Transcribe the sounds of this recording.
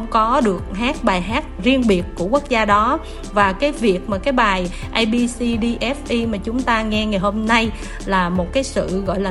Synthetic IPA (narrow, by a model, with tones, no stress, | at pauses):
wŋ͡mkɔ˨˦ɗɨ˨˩ək̚ɦaː˦˥t̚ɓaː˨˩jɦaː˦˥t̚zi˧ənɓi˨˩ət̚ku˧˩əku˦˥ək̚zaː˧ɗɔ˨˦ | vaː˨˩kaː˨˦jvi˨˩ək̚maː˨˩kaː˨˦jɓaː˨˩j | ʔa˧jɓi˧si˧ɗi˧ʔɛ˦˥fʔi˧maː˨˩t͡ɕʊ˨˦ŋ͡mt̪aː˧ŋɛ˧ŋa˨˩jho˧mna˧j | laː˨˩mo˨˩t̚kaː˨˦jsɨ̰˧˨ɣɔ̰˧˨jlaː˨˩